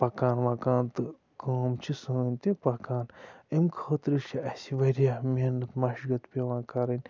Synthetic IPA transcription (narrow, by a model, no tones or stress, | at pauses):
pɐkaːnʋãːkãːnt̪ɨ | koːmt͡ʃʰisəːnʲt̪ipɐkaːnemkʰoːt̪ɾit͡ʃʰiɐsiʋɐɾjaːmenɐt̪maʃɡɐt̪pʲeʋãːkɐɾɐnʲ